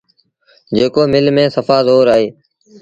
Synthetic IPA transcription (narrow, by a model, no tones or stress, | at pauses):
d͡ʒeːkoːmɪlmẽːsəfaːzoːɾaːɦeː